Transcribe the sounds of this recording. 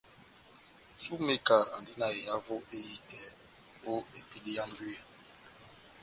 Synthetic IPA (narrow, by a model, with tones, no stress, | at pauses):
su˦me˦ka˨a˨n˨di˦na˦e˨ja˦vo˦ʔe˦ji˦tʰɛ˨ | o˦e˨pi˦li˦ja˦ndi˦a˨